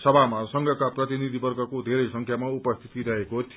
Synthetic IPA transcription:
sʌbʱamasʌŋɡʱʌkaprʌt̪inid̪ʱibʌrɡʱʌkod̪ʱeɾʌjsʌŋkʰjamaupʌst̪ʰi̥t̪iɾʌɦekot̪ʰ

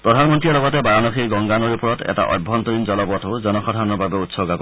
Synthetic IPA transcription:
pɹɔdʱanmɔntɹiɛlɔɡɔtɛbaɹanɔxiɹɡɔŋɡanɔɹupɔɹɔtɛ̰ta̰ʔɔ̰jbʱːɔntɔɹinzɔlɔbɔtoʊzɔnɔxɔdʱanɔɹbabɛutsɔɡakɔ

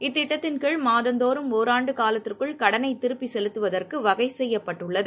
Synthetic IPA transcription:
ɪt̪ːɪʈːɐt̪ːɪnkeːɭmaːðɐnd̪oːɾɯmoːɾaːɳɖɯkaːlɐt̪ːɯrkɯɭkɐɽɐnɐɪt̪ɪɾɯpːisɛlɯt̪ːɯʋɐðɐrkɯʋɐɣɐɪsɛjːɐpːɐʈːɯɭːɐðɯ

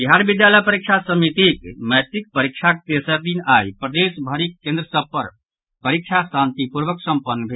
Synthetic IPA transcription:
biɦaɾbid̪jaləjpəɾik̚t͡ʃʰasəmit̪ikməjt̪ik̚pəɾik̚t͡ʃʰak̚t̪esəɾd̪inaipɾəd̪esbʱəɾikːẽnd̪ɾəsəb̚pəɾ | pəɾikt͡ʃʰasant̪ipuɾbəksə̃mpənːbʱe

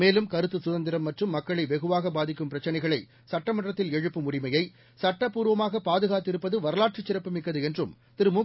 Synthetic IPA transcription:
meːlɯmkɐɾɯt̪ːɯsʊðɐnd̪ɪɾɐmːɐʈrɯmːɐkːɐɭɐɪʋɛɣɯʋaːɣɐbaːðɪkːɯmpɪɾɐt͡ʃːɐnɐɪɣɐɭɐɪ | sɐʈːɐmɐʈrɐt̪ːɪlɛɻɯpːɯmʊɽɪmɐjɐɪ | sɐʈːɐpːuːɾɯʋɐmaːɣɐpaːðɯɣaːt̪ːɪɾɯpːɐðɯʋɐɾɐlaːʈ̚t͡ʃɪt͡ʃːɪɾɐpːɯmɪkːɐðɯɛndrɯm | t̪ɪɾɯmuː

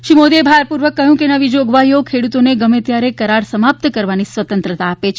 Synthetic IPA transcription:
ʃimod̪ebʱaɾpuɾʋəkːəɦjũkenəʋid͡ʒoɡʋajokʰeɽut̪oneɡəmet̪jaɾekəɾaɾsəmap̚t̪kəɾʋanisʋət̪ə̃nt̪ɾət̪aːpet͡ʃʰ

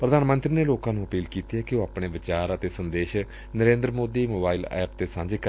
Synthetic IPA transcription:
pɾəd̪aːnmənt̪ɾiːneːloːkãːnũːəpiːlkiːt̪iɛːkɪoːaːpɳeːʋɪt͡ʃaːɾət̪eːsənd̪eːʃ | nəɾẽːnd̪ɾmoːd̪iːmoːbaːilɛ̰ːpt̪eːsãːɲd͡ʒeːk

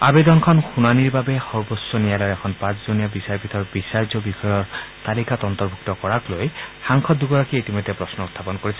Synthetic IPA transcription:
abed̪ɔnkʰɔnxunaniɹbabɛxɔɹbɔsɔnijalɔɛkʰɔnpãszonijabisaɹpitʰɔɹbisaɹzɔbixɔjɔɹt̪alikatɔnt̪ɔɹbʱuk̚tɔkɔɹaklojxaŋkʰɔt̚duɡɔɹakiitimɔjdʱːɛpɹɔsnɔut̪ʰːapɔnkoɹisɛ

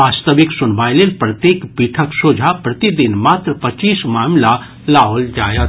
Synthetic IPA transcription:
aːst̪əʋɪksʊnbaːjleːlpɾət̪jeːkpiʈʰəksoːd͡ʒʱapɾɐt̪id̪inmaːt̪ɾəpɐt͡ʃiːsmaːmla | laold͡ʒaːjət̪

